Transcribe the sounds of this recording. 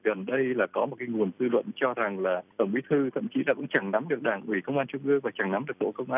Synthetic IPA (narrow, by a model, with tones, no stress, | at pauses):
ɣə˨˩nɗə˧jlaː˨˩kɔ˨˦mo˨˩t̚ka˨˦jŋu˨˩əntɨ˧lwə̰˧˨nt͡ɕɔ˧za˨˩ŋlaː˨˩t̪ə˧˩ŋ͡mʔi˨˦t̪ʰɨ˧t̪ʰə̰˧˨mt͡ɕi˨˦laː˨˩kʊ̰˧˥ŋ͡mt͡ɕa˧˩ŋna˨˦mɗɨ˨˩ək̚ɗaː˧˩ŋʔwi˧˩kə˧wŋ͡mʔaː˧nt͡ɕʊ˧ŋ͡mʔɨ˧əŋvaː˨˩t͡ɕa˧˩ŋna˨˦mɗɨ˨˩ək̚ɓo̰˧˨kə˧wŋ͡mʔaː˧